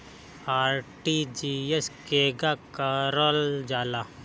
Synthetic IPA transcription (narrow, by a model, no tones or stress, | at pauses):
aːɾʈid͡ʒieskeɡakaɾɔld͡ʒaːla